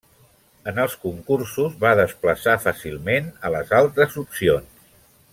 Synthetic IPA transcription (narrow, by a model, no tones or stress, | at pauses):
ənəlˠskuŋkursuzβaðəspləsafasilˠmenələzalˠt̪ɾəzupsions